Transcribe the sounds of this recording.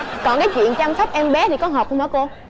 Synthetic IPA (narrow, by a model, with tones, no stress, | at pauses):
kɔ˨˩nkaː˨˦jt͡ɕwḭ˧˨ənt͡ɕa˧msə˦˥p̚ʔɛ˧mɓɛ˨˦t̪ʰi˨˩kɔ˨˦ɦɔ˨˩p̚ʔmaː˨˦ko˧